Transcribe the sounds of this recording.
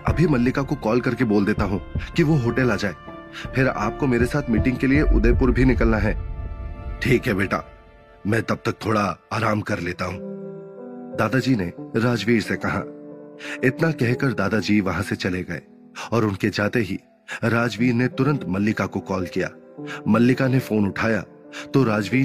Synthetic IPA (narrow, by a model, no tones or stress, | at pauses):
ɐ̰bʱimɐlːɪkakokɔːlkɐɾkeboːld̪eːt̪aɦũːkiʋoɦoːʈəlaːd͡ʒaːeː | pʰɪɾa̰ːp̚komeːɾesaːt̪ʰmiːʈɪ̃ŋɡkelieʔʊ̰d̪epʊɾbʱinɪkəlnaɦɛː | ʈʰiːkɦɛbeːʈa̰ː | mɛ̃ːt̪ɐb̚t̪ɐk̚t̪ʰoːɽaaːɾaːmkɐɾleːt̪aɦũː | d̪aːd̪ad͡ʒiːneɾaːd͡ʒʋiːɾsekɐɦa̰ː | ɪt̪nakɛɦkɐɾd̪aːd̪ad͡ʒiːʋɐɦãset͡ʃɐleɡɐḛː | ɔːɾʊnked͡ʒaːt̪eɦi | ɾaːd͡ʒʋiːɾnet̪ʊɾə̃nt̪mɐlːɪkakokɔːlkija̰ː | mɐlːɪkanefoːnʊʈʰaːja̰ | t̪oɾaːd͡ʒʋiː